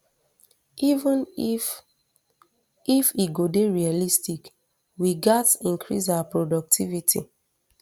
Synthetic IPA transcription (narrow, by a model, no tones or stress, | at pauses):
ivə̃n | ifiɡodeɹialistik | wiɡɛtĩŋkʰɹḭs̬awapɹodɔk̚tʰivitʰḭ